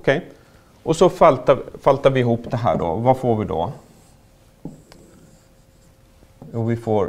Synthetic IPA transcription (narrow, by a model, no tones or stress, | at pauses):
ɔkʰɛj | ʔɔsɔfalt̪afalt̪aɾvɪɪɦuːpːd̪ɛɦæ̰ːɖɔ̰vafoːɾvɪd̪ɔ̰ | juːvɪfoː